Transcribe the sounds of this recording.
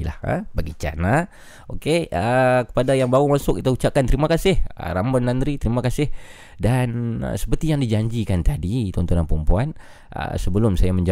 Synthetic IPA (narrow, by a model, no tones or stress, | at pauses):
la̰hə̰baɡit͡ʃa̰na | ʔokeʔəkə̥padajaŋbaumasʊkit̪aut͡ʃakant̪əɾimakasɪhə̰rambɔnːand̪ɾit̪əɾimakasɪh | danə̰sə̥pərt̪ijaŋdid͡ʒaɲd͡ʒikant̪adit̪ɔnt̪ɔnanpəɾəmpuan | ʔə̰səbəlʊmsajaməɲd͡ʒa